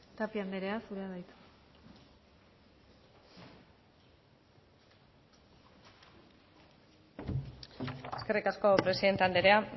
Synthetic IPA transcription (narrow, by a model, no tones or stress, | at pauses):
t̪apiand̪eɾe̞asuɾe̞aðajt̪u̥ | e̞ske̞rikasko̞pɾe̞siðe̞nt̪eand̪eɾea